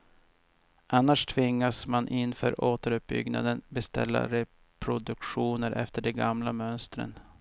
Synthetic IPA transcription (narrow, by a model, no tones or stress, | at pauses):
ʔanːaʂt̪ʰvɪŋːasmanʔɪnfœːɾoːt̪əɾɵp̚bʏ̰ɡna̰d̪ənbɛst̪ɛ̰lːa̰ɾɛ | pʰɾʊd̪ɵkɧuːnəɾʔɛ̰ft̪əɖɛɡamlamœnst̪ɾə̰n